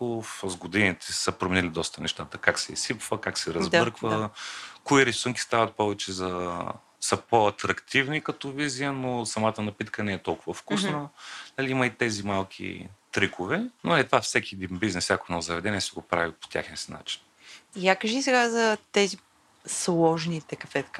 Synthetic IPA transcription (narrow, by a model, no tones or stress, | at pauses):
ofzɡod̪init̪ʰɛ̥səpɾomɛnilid̪ɔst̪ənɛʃt̪at̪əkaksɛisipvəkaksɛɾɐzb̪ɤɾkvəkoiɾɛsuŋkʲi̥st̪avɐt̪̚pɔvɛt͡ʃɛzɐ | səpoɐt̪ɾɐkt̪ivnikɐt̪ɔvizijənosɐmat̪ənɐpit̪kʰənɛɛt̪ɔlˠkʊvɐfkusnənɐliimɐit̪ɛzimalˠkʲʰḭt̪ɾikʰovɛnoɛt̪vafsɛkʲiɛd̪inbiznɛsʲakonozɐvɛd̪ɛniɛsɛɡopɾavipo̥t̪ʲa̰xnʲisina̰t͡ʃi̥n | iakəʒisɛɡazɐt̪ɛzi | slˠɔʒnit̪ɛkɐfɛt̪k